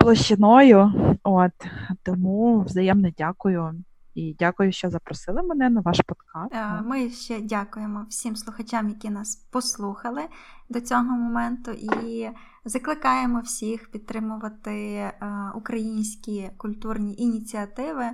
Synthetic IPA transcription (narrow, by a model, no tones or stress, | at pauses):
plˠɔʃt͡ʃɪnɔjʊot̪t̪ɔmuwzɐjɛmnɛdʲakʊjʊ | idʲakʊjʊʃt͡ʃɔzɐpɾɔsɪlˠɪmɛnɛnɐʋɑʃpɔd̪kɑmɪʃt͡ʃɛdʲakʊjemɔwsʲimslˠʊxɐt͡ʃamjɐkʲinɑspɔslˠuxɐlˠɪd̪ɔt͡sʲɔɦɔmɔmɛnt̪ʊʔi | zɐklˠɪkɑjemɔwsʲixpʲid̪̚t̪ɾɪmʊʋɐt̪ɪ | ukɾɐjinʲsʲkʲikʊlʲt̪urnʲiʔinʲit͡sʲiɐt̪ɪʋɪ